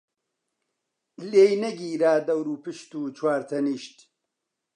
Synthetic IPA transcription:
leːjnɐɡiːɾaːd̪ɐwɾuːpɨʃt̪uːt͡ʃʰwaːɾt̪ʰɐniːʃt̪

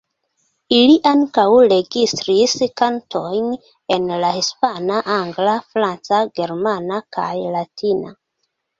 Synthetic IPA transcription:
iliʔaŋkawɾe̞ɡistɾiskantʰo̞jn | e̞nlahispanaʔaŋɡlafɾant͡saɡe̞ɾmanakʰa̰jlatʰina̰

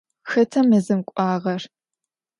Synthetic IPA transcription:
xɐtʰɐmɨzɨmkʷʼɑːʁɐr

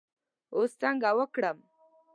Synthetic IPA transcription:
ost̪aŋɡawəkɽam

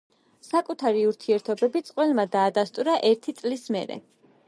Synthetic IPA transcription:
sakʼut̪ʰaɾiuɾt̪ʰiɛɾt̪ʰɔbɛbit̪sʼqʼwɛlmad̪aːd̪ast̪ʼuɾaʔɛɾt̪ʰit̪sʼlismɛ̰ɾɛ̰

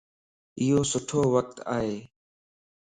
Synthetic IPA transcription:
ɪjoːsʊʈʰoːʋək̚t̪aːɦeː

